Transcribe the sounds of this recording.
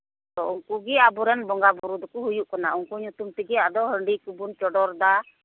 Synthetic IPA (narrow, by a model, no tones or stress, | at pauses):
t̪ɔuŋkuɡɛabuɾɛnbɔŋɡabɔɾud̪ɔkɔɦujuʔkɔnauŋkuɲut̪umt̪ɛɡɛad̪ɔɦəɳɖikubunt͡ʃɔɖɔɾd̪a